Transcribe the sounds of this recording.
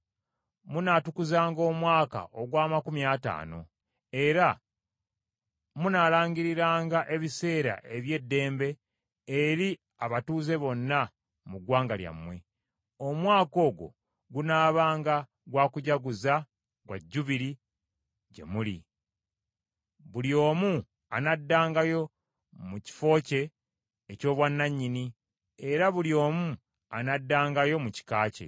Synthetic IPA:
munatukuzaːŋɡo̞ːmwaːka̰ʔo̞ɡwaːmakumjaːta̰ːno̞̰ | e̞ɾa | munaːlaːŋɡiɾiɾaːŋɡaʔe̞βise̞ːɾa̰ʔe̞βje̞dːe̞ːmbe̞ː | ɾi | aβatuːze̞βo̞nːa | muɡwaːŋɡalja̰mwe̞̰ | o̞mwaːko̞ːɡo̞̰ | ɡunaːβaːŋɡa | ɡwaːkuɟaɡuza | ɡwa̰ɟːuβiɾi | ɟe̞̰muli | βuljo̞ːmu | anadːaːŋɡajo̞ | muci̥fo̞ːce̞ː | co̞ːβwanːaɲːini | e̞ɾaβuljo̞ːmu | anadːaːŋɡajo̞muci̥kaːce̞̰

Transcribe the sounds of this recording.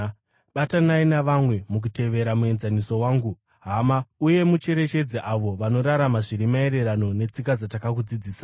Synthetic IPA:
ɓatanainaʋamwe̞muk̬ute̞ʋe̞ɾamue̞nzaniso̞waːŋɡu | ɦamauje̞mut͡ʃe̞ɾe̞t͡ʃe̞d͡zeʔaʋo̞ʋano̞ɾaɾamaʐiɾimae̞ɾe̞ɾano̞ne̞t͡sikad͡zatakakud͡zid͡ziːsa

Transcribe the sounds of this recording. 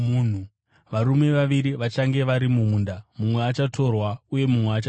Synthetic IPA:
mun̤u | ʋaɾume̞ʋaʋiɾiʋat͡ʃaŋɡe̞ʋaɾimumuːndamumwe̞at͡ʃatʰo̞rwauje̞mumweat͡ʃa

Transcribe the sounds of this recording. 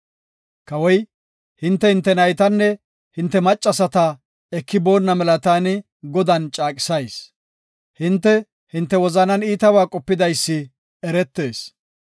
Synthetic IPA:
kɐwɔj | hɪnt̪ːɛhɪnt̪ːɛnɐjt̪ɐnːɛ | hɪnt̪ːɛmɐt͡ʃʼːɐsɐt̪ɐ | ɛkːɪbo̞ːnːɐmɛlɐt̪aːnɪ | ɡɔd̪ɐnt͡ʃʼaːkʼɪ̥sɐjs | hɪnt̪ːɛ | hɪnt̪ːɛwɔzɐnɐniːt̪ɐbaːkʼɔpːɪd̪ɐjsːɪ | ɛɾɛt̪ːe̞ːs

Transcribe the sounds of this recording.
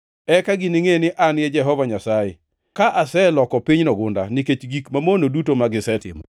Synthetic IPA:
ɛkaɡɪnɪŋenɪʔanjɛd͡ʒɛɦɔvaɲasajḛ | kaʔasɛlɔkɔpiɲnɔɡʊnda̰nɪket͡ʃɡikmamonodutomaɡɪsɛtɪ̰mɔ̰

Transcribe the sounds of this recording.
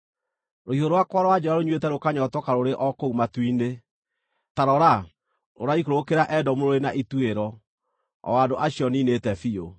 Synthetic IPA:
ɾoiɦoɾowakwaɾɔad͡ʒɛɾaɾoɲwetɛɾokaɲɔtɔkaɾoɾeʔɔkoumatwine | taɾɔɾa | o̰ɾaikoɾokeɾaʔɛdɔmoɾoɾenaʔitueɾɔ | ɔ̰adoʔaɕiɔninetɛfio

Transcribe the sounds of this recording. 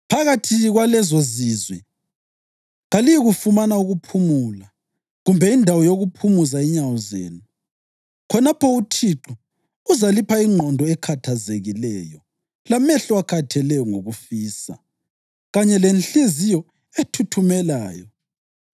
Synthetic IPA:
pʰaɣatʰiɣwalɛzozizwi | ɣalijiɣufumanauɣupʰumula | ɣumbʱɛindʱawɔjoɣupʰumuzaɛɲawɔzḛːnu | kʰɔnapʰɔutʰiǁu | uzalipʰaiŋ͡ǃʱɔndʱɔɛkʰatʰazeɣilɛːjɔ | lamɛɬɔakʰatʰɛlɛjɔŋoɣufiːsa̰ | ɣaɲɛlɛnɬezijɔ | etʰutʰumɛlaːjɔ

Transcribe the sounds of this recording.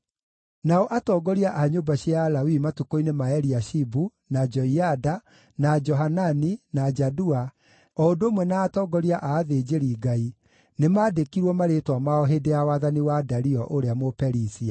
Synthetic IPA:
naɔʔatɔːɡɔɾiaʔaɲobaɕialawimatukoinemaɛɾiaʃibu | nad͡ʒɔiada | nad͡ʒɔɦananinad͡ʒadua | ɔondoːmwɛnaːtɔːɡɔɾiaʔaːðed͡ʒeɾiːɡai | nemaːdekiɾwɔmaɾetwamaɔɦedeawaðaniwadaɾiɔʔoɾeamopɛɾisia

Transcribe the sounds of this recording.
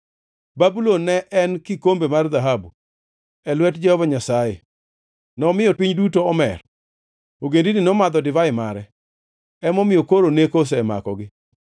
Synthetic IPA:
babulonːɛʔɛnkikombemarðaɦabu | ɛlwɛtd͡ʒɛhɔvaɲasajḛ | nɔmɪjɔpiɲdutoɔmɛ̰r | oɡendinɪnɔmad̪ɔdɪvaɪmaɾɛ | ɛmɔmɪjokoɾonekos̬ɛma̰kɔɡɪ

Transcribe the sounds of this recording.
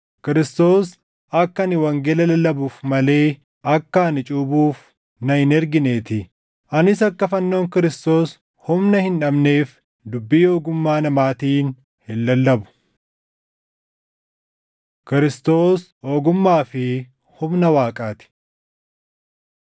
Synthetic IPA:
kɪɾɪst̪o̞ːs | ɐkːɐnɪwɐŋɡeːlɐlɐlːɐbuːfmɐle̞ː | ɐkːɐnɪt͡ʃʼuːbuːf | nɐhɪnɛɾɡɪne̞ːt̪ɪ | ʔɐnɪsɐkːɐfɐnːo̞ːŋkɪɾɪst̪o̞ːs | hʊmnɐhɪnᶑɐbne̞ːf | d̪ʊbːiːo̞ːɡʊmːaːnɐmaːt̪iːn | hɪlːɐlːɐbʊ̥ | kɪɾɪst̪o̞ːs | o̞ːɡʊmːaːfɪ | hʊmnɐwaːkʼaːt̪ɪ̥

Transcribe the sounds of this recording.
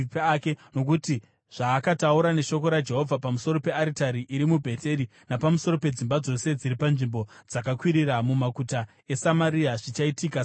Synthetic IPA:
pake̞no̞kuti | ʐ̥aːkatauɾane̞ʃo̞ko̞ɾad͡ʒe̞ɦo̞vʱapamuso̞ɾo̞pe̞aɾitaɾiʔiɾimubʱe̞te̞ɾi | napamuso̞ro̞pe̞d͡zimbad͡zo̞se̞d͡ziɾipanʐimbo̞d͡zakakwiɾiɾamumakuta | e̞samaɾiaʐit͡ʃaitika

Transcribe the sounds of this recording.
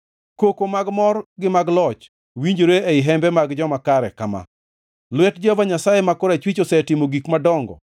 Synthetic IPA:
kokomaɡmɔrɡɪmaɡlɔt͡ʃ | wiɲd͡ʒoɾeɛɪɦɛmbɛmaɡd͡ʒɔmakaɾɛkama̰ | lwɛtd͡ʒɔvaɲasajemakʊɾat͡ʃwit͡ʃosɛtɪmoɡikmadɔŋɡɔ̰

